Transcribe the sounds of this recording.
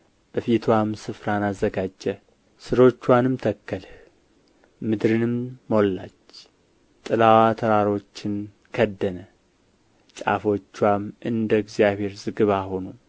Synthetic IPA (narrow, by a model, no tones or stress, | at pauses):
b̥əfit̪ʰwamsɨfɾanazːəɡad͡ʒːə | sɨɾo̞t͡ʃːwanɨmt̪ʰəkːəlh | mɨd̪ɾɨnɨmːo̞lːat͡ʃː | t̪ʼɨlawat̪ʰəɾaɾo̞t͡ʃːɪn | kʰəd̪ːənə | t͡ʃʼa̰fo̞t͡ʃːwamɨnd̪əɡzjaβhe̞ɾzɨɡɨβaho̞nu